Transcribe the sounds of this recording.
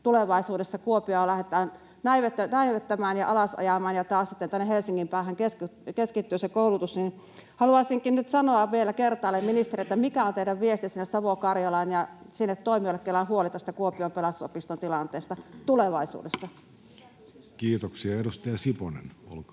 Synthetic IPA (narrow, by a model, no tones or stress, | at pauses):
t̪uleʋɑisuːdesːɑkuopiolæhet̪ˑɑːn | næiʋet̪ːænæiʋet̪ːæmæːnjɑʔɑlɑsɑ̰jɑmɑːnjɑt̪ɑːssit̪ːent̪ænːehelsiŋːimpæːhæŋkeskkeskit̪ːyːsekoˑulut̪usnin | hɑluɑisiŋkinnyt̪sɑnoɑʋʋielːˑækert̪ɑːlːemminist̪eriet̪ːæmikæont̪eiɾæʋʋiest̪isinːessɑʋokɑrjɑlɑːnjɑsinːet̪toˑimiolekːelːˑɑnhuolit̪æst̪ækuopiompelɑst̪uso̰pist̪ont̪ilɑnt̪eːst̪ɑt̪uleʋɑisṵːdesːɑ | kiːt̪oksiɑedust̪ɑjɑsiponḛno̰lkɑ